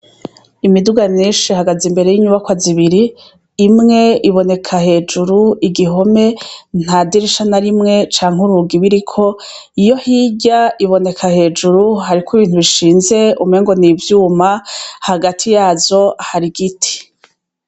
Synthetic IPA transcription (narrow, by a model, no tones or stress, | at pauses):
imiduɡamɲiːʃihaɡazimbe̞ɾe̞jiɲuβakwaziβiɾiː | mŋe̞iβo̞ne̞kʰahe̞ːd͡ʒuɾuiɡiɦo̞me̞n̥hadiɾiʃanaɾimŋe̞t͡ʃaːŋ̥uɾuɡiβiɾikʰo̞ | ijo̞hiːɟaiβo̞ne̞kʰahe̞ːd͡ʒuɾuhaɾikiβiːntuβiʃiːnze̞umeːŋɡo̞nivjuːmahaɡatʰijaːzo̞haɾiɡitʰi̥